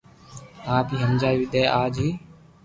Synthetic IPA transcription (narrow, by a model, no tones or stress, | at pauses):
ɦãːbiːɦəmd͡ʒaːiːʋɪɗ̪eːʔaːd͡ʒiː